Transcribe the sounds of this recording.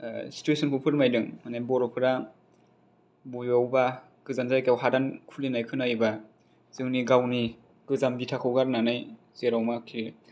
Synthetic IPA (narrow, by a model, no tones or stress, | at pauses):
si̥tuesʰɔnkʰupʰɯɾmajdɯŋmanajbɔɾɔpʰɯɾa | bujawba | ɡ̥ɯzanzajkawɦadankʰulinajkʰɯnajba | z̥ɯŋniɡawni | ɡ̥ɯzambitʰakʰɯwɡaɾnanaj | zeɾawmakʰiɾ